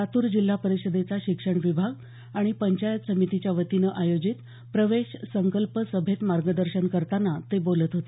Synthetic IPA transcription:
at̪uːɾd͡ʑil̤ːapəɾiɕəd̪et͡saɕikʂəɳʋibʱaɡ | aɽ̃ipəɲt͡ɕajət̪səmit̪it͡ɕjaʋət̪inəʔajod͡ʑit̪ | pɾəʋeɕsəŋkəlpəsəbʱet̪maɾɡəd̪əɾɕənkəɾt̪anat̪ebolət̪ɦot̪e

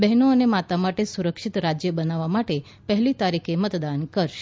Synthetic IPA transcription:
bɛɦnoənemat̪amaʈesuɾəkʃit̪ɾad͡ʒjəbənaʋamaʈe | pəɦɛlit̪aɾikʰemət̪d̪ankəɾʃe̥

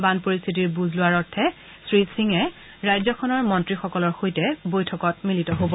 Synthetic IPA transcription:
banpoɹist̪ʰitiɹbuzlʊaɹɔɹtʰɛ | sɹisiŋɛ | ɹajzɔkʰɔnɔɹmɔntɹixɔkɔlɔɹxojtɛbojtʰɔkɔt̚militɔɦobɔ

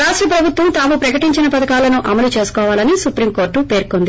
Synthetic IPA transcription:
ɾaːʂʈɾɐpɾɐbʱut̪ʋɐmt̪aːmupɾɐkɐʈiɲt͡ʃinɐpɐd̪ɐkaːlɐnuʔɐmɐlut͡ʃe̞ːsu̥kɔːʋaːlɐnisupɾiːmko̞ːɾʈːupe̞ːɾkond̪i

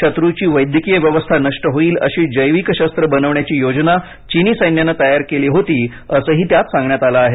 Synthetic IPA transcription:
ət̪ɾut͡ɕiːʋəjd̪ʱjəkijəʋjəʋəst̪ʰanəʂʈəɦoiːlə̰ɕiːd͡ʑəjʋikɕəst̪ɾəbənəʋɳjat͡ɕiːjod͡ʑna | t͡ɕiniːsəjnjanət̪əjaɾkeliːɦot̪iː | əsəːɦiːt̪jat̪sãŋɡɳjat̪alaaːɦe

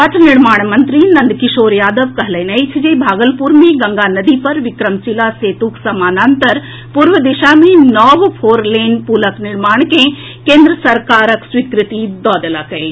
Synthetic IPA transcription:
ɐt̪ʰnɪɽmaːɳ̃mɐnt̪ɾinɐ̃nd̪kɪʃoːɾjaːd̪əʋkɐɦlɐnɐit͡ʃʰɐd͡ʒebʱaːɡəlpuːɾmẽɡɐŋɡaːnɐd̪ipɐɾʋɪkɾəmt͡ʃilaseːt̪uksɐmaːnaːnt̪əɾ | puːɾʋəd̪ɪʃaːmẽnɔːʋpʰoːɾleːnpuləknɪɽmaːɳ̃kẽ | kẽːnd̪ɾəsɐɾkaːɾəksʋikɾɪt̪id̪ɔːd̪əlaːkɐeː

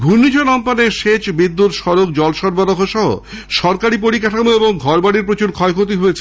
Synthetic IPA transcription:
ɡʱunːid͡ʑʱonɔmpaneɾʃet͡ɕbid̪ːut̪ʃɔɾok̚d͡ʑɔlʃɔɾbaɾokoʃɔɦo̰ | ʃɔɾkaɾipoɾikaʈʰamoeboŋɡʱɔɾbaɽiɾpɾot͡ɕuɾkʰɔekʰot̪iɦojet͡ɕʰe

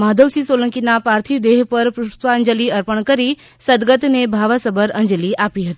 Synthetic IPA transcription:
maɦd̪əwsiːsoləŋkinapaɾt̪ʰiʋd̪eɦpəɾpɾuʂt̪ʋaəɲd͡ʑəliːəɾpəɳkəɾiː | səd̪ɡət̪nebʱaʋasəbəɾəɲd͡zəliːʔapiɦət̪i

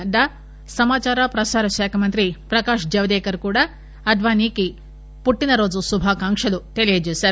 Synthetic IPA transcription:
d̪aː | sɐmaːt͡ʃaːɾapɾɐsaːɾɐʃaːkʰɐmɐnt̪ɾipɾɐkaːʂd͡ʒɐʋɐd̪ɛːkɐɾkuːɽaː | ɐd̪ʋaːniːki | puʈːinɐɾo̞ːd͡ʒusubʱaːkaːŋkʂɐlut̪e̞lijɐd͡ʒeːsaːɾu

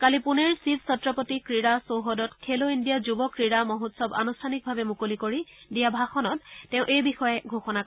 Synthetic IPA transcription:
kalipuneɹsipsɔtɹɔpɔtikɹiɹasowɦodɔtkʰeloindijazubɔkɹiɹamɔɦotsɔba̰nustʰanik̚bʱabɛmukolikoɹidijabʱaxɔnɔt̚ːɛ̃ʊ̃ʔejbixɔjɛɡʱoxɔna

